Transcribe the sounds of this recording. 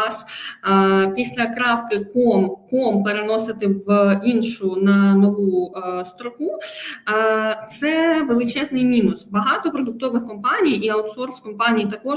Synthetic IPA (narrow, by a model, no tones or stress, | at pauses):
s | pʲisʲlʲɐkɾɑwkɪkɔmkɔmpeɾenɔsɪt̪ɪʋinʃʊnɐnɔʋust̪ɾɔku | t̪sɛʋelˠɪt͡ʃɛznɪjmʲinʊsbɐɦɑt̪ɔpɾɔd̪ʊk̚t̪ɔʋɪxkɔmpɑnʲijiɐwt̪sɔrskɔmpɑnʲijt̪ɐkɔ